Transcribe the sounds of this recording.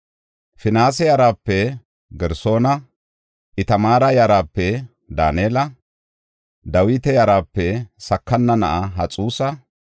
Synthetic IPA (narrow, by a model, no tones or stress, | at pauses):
fɪnaːs̬ɛjaɾaːpːɛ | ɡɛɾso̞ːnɐ | ʔɪt̪ɐmaːɾɐjɐɾaːpːɛ | d̪aːneːlɐ | d̪ɐwɪt̪ɛjɐɾaːpːɛsɐkːɐnːɐnɐ̰ʔɐɦɐt͡sʼuːsɐ